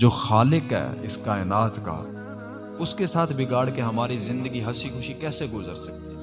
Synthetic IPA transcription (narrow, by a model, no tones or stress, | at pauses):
d͡ʒoːxaːlɪkɦɛ̰ːɪskaːɪnaːt̪ka̰ | ʊskesaːt̪ʰbɪɡaːɽkeɦɐmaːɾizɪ̃nd̪əɡiɦɐsixʊʃikɛːseɡʊzəɾsɐk̚t̪e